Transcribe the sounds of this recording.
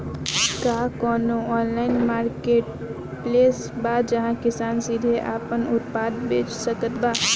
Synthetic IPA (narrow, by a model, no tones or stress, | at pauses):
kaːkɔːnoɔːnlaːɪnmaːɾkeːʈ | pleːsbad͡ʒəɦãkɪsaːnsid̪ʱeʔaːpənʊt̪paːd̪beːt͡ʃsəkət̪baː